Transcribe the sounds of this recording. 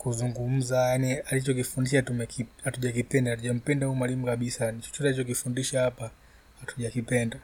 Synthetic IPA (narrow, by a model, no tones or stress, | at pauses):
kuzuŋɡum̩zajanialit͡ʃɔk̬ifundiʃatumɛkihatuʄak̬ipɛndahatuʄam̩pɛndahuːmwalimukaɓisanit͡ʃɔ̥t͡ʃɔtait͡ʃɔk̬ifundiʃahapa | hatuʄakipɛnda